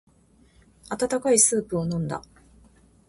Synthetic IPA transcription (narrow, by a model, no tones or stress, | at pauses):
at̪at̪akaisɨːpɯ̟o̞nõ̞nd̪a̰